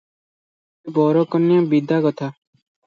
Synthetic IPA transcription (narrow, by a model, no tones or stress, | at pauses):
eːbɔːɾoːkəmnɪjãːbiːd̪aːkɔt̪ʰaː